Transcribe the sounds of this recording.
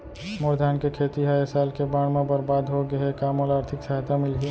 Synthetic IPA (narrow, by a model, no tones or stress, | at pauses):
moɾd̪ʱaːnkekʰeːt̪iɦaesaːlkebaːɽ̃mẽbəɾbaːd̪ɦoɡəekaːmoːlaːɾt̪ʰɪksəɦt̪amɪlɦi